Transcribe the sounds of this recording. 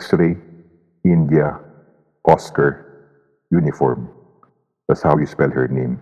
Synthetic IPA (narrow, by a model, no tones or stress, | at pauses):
ksɾi | ɪ̃nd̪jɐ | ʔɔskɐɹ | junɪfɔ̰ɹm | d̪̥at̪shawjuspɛldhɛɹnẽm